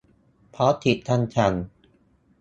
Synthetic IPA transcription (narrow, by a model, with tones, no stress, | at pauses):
pʰɔ˦˥t̪ʰi˨˩t̪ʰːa˥˧nt͡ɕʰa˧˩n